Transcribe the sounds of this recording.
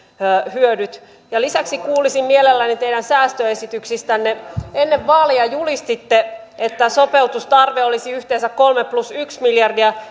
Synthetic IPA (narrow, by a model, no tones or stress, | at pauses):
øhyødyt̪ | jɑlisæksikuːlisimmielelːænit̪eidænsæːst̪øesit̪yksist̪ænːeenːeʋːɑːliɑjulist̪it̪ːe | et̪ːæsopeut̪ust̪ɑrʋeolisiyht̪eːnsækkolmeplusyksmiljɑrdiɑ